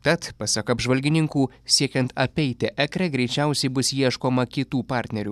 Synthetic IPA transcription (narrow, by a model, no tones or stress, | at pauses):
t̪ɐt̪pɑsʲɐkɐbʒʋɐlʲɡʲɪnʲɪŋkuː | sʲiɛkʲɛnt̪ɐpʲɛɪt̪ʲɪʔɛkɾʲɛɡɾʲɛɪt͡ʃʲɛˑʊsʲɛɪbʊsjiɛʃkoːmɐkʲɪt̪uːpɑˑɾʲt̪ʲnʲɛɾʲuː